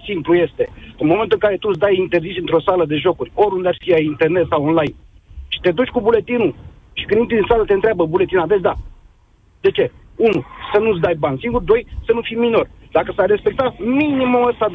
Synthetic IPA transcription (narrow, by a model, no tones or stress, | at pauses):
simpluje̞st̪e̞ɨnmoment̪uɨŋkaɾe̞t̪ut̪s̬d̪ajint̪e̞rzisɨnt̪ɾo̞saləd̪e̞ʒo̞kurʲo̞ɾund̪eafiaint̪e̞rne̞t̪sawonlajn | ʃi̥t̪e̞d̪ut͡ʃʲkubule̞t̪inu | ʃikɨnint̪id̪insalət̪e̞ɨnt̪ɾʲabəbule̞t̪inad̪et͡ʃd̪a | d̪e̞t͡ʃe̞ | unusənut̪s̬d̪ajbanʲsiŋɡurd̪o̞jsənufijmino̞rd̪akəsarre̞spe̞k̚t̪aminimuəst̪ad̪